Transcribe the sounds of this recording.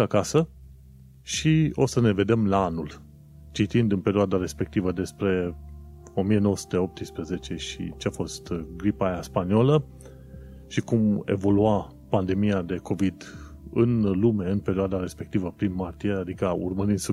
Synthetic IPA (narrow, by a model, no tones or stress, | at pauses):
akasə | ʃio̞səne̞ve̞d̪e̞mlaanul | t͡ʃit̪ind̪ɨnpe̞ɾioad̪aɾe̞spe̞k̚t̪ivəd̪e̞spɾe̞ | o̞mijenowəsu̥t̪e̞o̞p̚t̪ispɾəze̞t͡ʃe̞ʃḭt͡ʃeafo̞st̪ɡɾipajaspaniolə | ʃikume̞̰vo̞lua | pand̪e̞miad̪e̞kʰo̞vid̪ | ɨnlume̞ɨnpe̞ɾioad̪aɾe̞spe̞k̚t̪ivəpɾinmart̪iead̪ikəṵrməɾind̪su